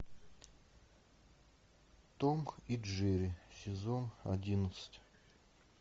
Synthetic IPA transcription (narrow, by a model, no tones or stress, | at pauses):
t̪omkidʐɛɾʲisʲɪzona̰dʲinət̪sə̥tʲ